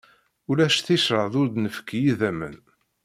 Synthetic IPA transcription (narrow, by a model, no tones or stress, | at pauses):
ʊlæʃθiʃɾəʕðʊɾd̪nəfə̥kːjiðæmə̰n